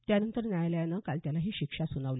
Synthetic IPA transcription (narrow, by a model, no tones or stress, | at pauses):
t̪janənt̪əɾnjajljanəkalt̪jalaɦiːɕikʂasunəʋle